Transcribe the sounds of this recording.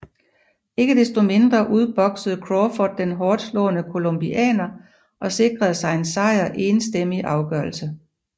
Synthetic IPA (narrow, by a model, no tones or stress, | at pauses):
e̝ɡ̥əd̥esd̥o̝me̝nd̥ʁɐʔuð̞ˠb̥ɒ̽ɡ̥səð̩ˠkʰʁɔfɒd̥̚ːenɦɒːd̥slɔ̰̽ːnəkʰo̝lomb̥iʔɛ̰ːnɐ | ʔɒ̽se̝ɡ̥ʁɐð̞ˠsɑ̈ɪe̝nsɑ̈ɪ̰ɐʔeːnsd̥em̰iʔɑ̈ʊɡ̥ɶɐl̩sə